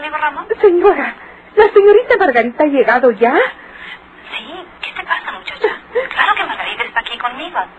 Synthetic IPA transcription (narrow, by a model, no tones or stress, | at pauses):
amiɣoramonse̞ɲoɾa | lase̞ɲo̞ɾit̪amaɾɣaɾit̪aaʝe̞ɣaðo̞ʝa | siket̪epasamut͡ʃat͡ʃaklaɾokemaɾɣaɾit̪aest̪aːkikonmiɣo